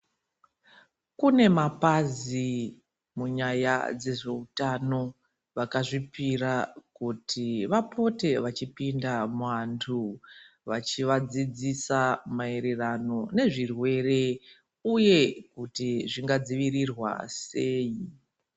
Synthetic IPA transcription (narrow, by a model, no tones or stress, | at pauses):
kune̞mapazi | muɲaja̰d͡ze̞ʐe̞utano̞ | ʋakaʐipirakutʰiʋapo̞te̞ʋat͡ʃipindamwantʰu | ʋat͡ʃiʋad͡zid͡zisamae̞ɾe̞rano̞ne̞ʐirwe̞re̞ | uje̞kutiʐiŋɡad͡ziʋirirwa̰seːji